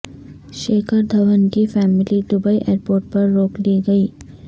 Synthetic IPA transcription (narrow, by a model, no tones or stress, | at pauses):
ʃeːkʰəɾd̪ʱɐʋənkifɛːmɪlid̪ʊbaiʔeːɾpoːɾʈ̚pɐɾːoːkliɡɐiː